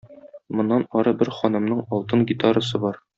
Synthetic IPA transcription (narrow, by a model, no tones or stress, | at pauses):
mŏnːɑnɒɾɤbɘɾχɒnɤ̆mnɤɴɒlˠt̪ɤŋɡʲit̪aɾəsɤbɒɾ